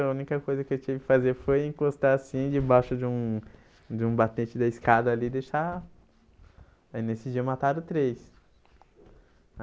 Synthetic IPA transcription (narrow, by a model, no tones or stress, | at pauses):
ɐũnikɐkojzɐkɪewt͡ʃivɪkɪ̥fazeɾfojẽkost̪asĩd͡ʒɪbaʃʊd͡ʒɪũ | d͡ʒɪũbat̪et͡ʃɪd̪ɐiskad̪ɐːlid̪eʃa | nesɪd͡ʒiɐmat̪aɾʊ̃t̪ɾejs